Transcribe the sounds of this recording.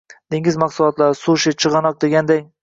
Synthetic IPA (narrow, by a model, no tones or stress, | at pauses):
d̪̥eŋɪzmɑqsʊlˠɒt̪laɾsuʃɪt͡ʃʰɨʁɑnɒq̚d̪e̞ɡʲand̪aŋ